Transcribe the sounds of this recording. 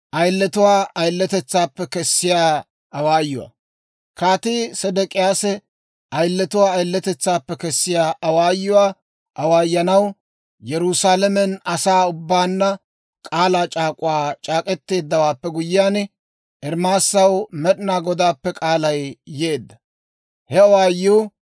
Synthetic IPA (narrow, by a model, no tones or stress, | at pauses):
ʔɐjlːɛt̪ʊwaːɐjlːɛt̪ɛt͡sːaːpːɛkɛsːɪjaː | ɐwaːjːʊwa̰ | kaːt̪ɪsɛd̪ɛkʼɪjaːsɛ | ʔɐjlːɛt̪ʊwaːɐjlːɛt̪ɛt͡sːaːpːɛkɛsːɪjaːʔɐwaːjːʊwaː | ʔɐwaːjːɐnɐw | jɛɾʊsaːlɛmɛnɐsaːʊbːaːnːɐ | kʼaːlaːt͡ʃʼaːkʼʊwaːt͡ʃʼaːkʼɛt̪ːe̞ːd̪ːɐwaːpːɛɡʊjːɪjaːn | ʔɛɾmaːsːɐwmɛɗɪnaːɡɔd̪aːpːɛkʼaːlɐjjeːd̪ːɐ̥ | hɛɐwaːjːuː